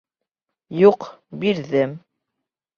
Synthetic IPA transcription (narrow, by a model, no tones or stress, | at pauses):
juqbiɾðɘm